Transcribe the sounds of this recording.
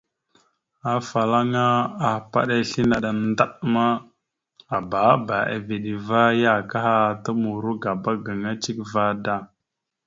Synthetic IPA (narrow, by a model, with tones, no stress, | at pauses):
a˨fa˨la˦ŋa˦a˨pa˦ɗa˦˨ɬi˦na˨ɗa˨n˦da˦ɗma˦ | a˨ba˨˦ba˨a̰˨vi˨ɗi˨va˦ja˦˨ka˦ha˦˨tə˦mu˨ɾu˦ɡa˨ba˦ɡə˨ŋa˦t͡ʃi˦kva˦da˦˨